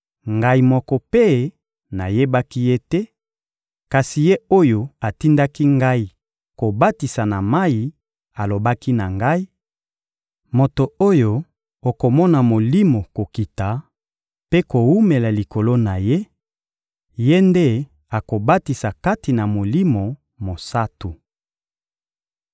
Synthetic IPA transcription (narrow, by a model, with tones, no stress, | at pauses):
ŋɡa˦i˦mɔ˦kɔ˦pe˦ | na˨je˦ba˦ki˦je˦tɛ˦ | ka˨si˨je˦o˦jo˨a˨ti˦nda˦ki˦ŋɡa˦i˨ | ko˨ba˦ti˨sa˨na˨ma˦i˨ | a˨lo˨ba˦ki˦na˨ŋɡa˦i˦ | mo˨to˨o˦jo˨ | o˨ko˨mɔ˦na˨mo˨li˦mo˨ko˨ki˨ta˨ | pe˦ko˨wu˦me˨la˨li˨ko˨lo˦na˨je˦ | je˦nde˦ | a˨ko˨ba˦ti˨sa˨ka˦ti˨na˨mo˨li˦mo˨ | mo˨sa˦tu˨